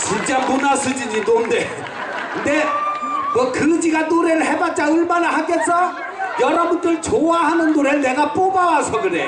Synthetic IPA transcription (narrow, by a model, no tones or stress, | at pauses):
t͡ɕint͡ɕ͈amonasʰɯd͡ʑid͡ʑidonde | kɯndemʌkɯd͡ʑiɡanoɾeɾɯɭhebat̚t͡ɕ͈aɯɭbanɯɭɦakes͈ʰʌ | jʌɾʌbundɯɭt͡ɕowaɦanɯnːoɾeɾɯɭne̞ɡap͈obawasʰʌɡɯɾḛ